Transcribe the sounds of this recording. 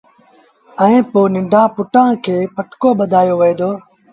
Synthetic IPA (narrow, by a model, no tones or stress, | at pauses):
əẽːpoːnɪ̃ɳɖʱãːpʊʈãːkʰeːpəʈkoːɓəd̪ʱaːjoːʋəeːd̪oː